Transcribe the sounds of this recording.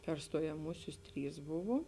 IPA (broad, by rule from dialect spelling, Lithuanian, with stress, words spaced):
pʲɛr stoːjɛˈmuːsʲʊs ˈtʲrʲiːs ˈbʊʋoː